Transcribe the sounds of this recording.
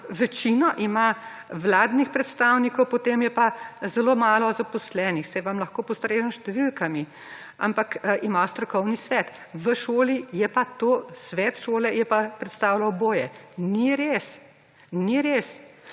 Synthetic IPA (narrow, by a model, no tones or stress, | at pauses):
ʋɛt͡ʃinɔʔimaʋlaːd̪nixpɾɛt̪st̪aːwnikɔwpɔt̪eːmjɛpazɛloːmaːlɔzapɔslɛːnixsɛjʋamlɐxkoːpɔst̪ɾeːʒənʃt̪ɛʋilkami | a̰mpakʰimast̪ɾɔkɔwnisʋɛt̪ | ʋəʃoːlijɛpat̪oːsʋɛːt̪ʃoːlɛjɛpapɾɛt̪st̪aːwlawboːjɛniɾes | niɾes